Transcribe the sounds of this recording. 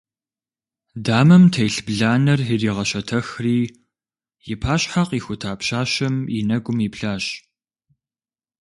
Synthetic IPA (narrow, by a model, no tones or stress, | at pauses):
daːmɐmtʰɐjɬbɮaːnɐrɪriːʁɐɕɐtʰɐxriː | jɪpʰaːɕʼħaqiːxʷʊtʰaːpɕaːɕɐminɐɡʷʊmipɬaːɕʼ